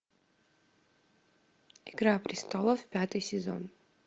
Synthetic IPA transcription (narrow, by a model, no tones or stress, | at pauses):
iɡɾapʰʼrist̪ʰolˠavpʲat̪ʰʼɨjsʲɛzo̰n